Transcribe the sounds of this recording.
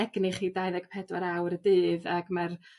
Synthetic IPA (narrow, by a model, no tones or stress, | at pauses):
ɛɡnɪχidajðɛɡ̥pʰɛdwaɾawɾədɨːðaɡmar